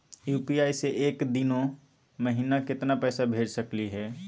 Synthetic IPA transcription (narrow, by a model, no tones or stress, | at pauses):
juːpiaːiseʔeːkd̪ɪnõ | məɦiːnakɪt̪napɛːsabʱeːd͡ʒsɐkliɦɛː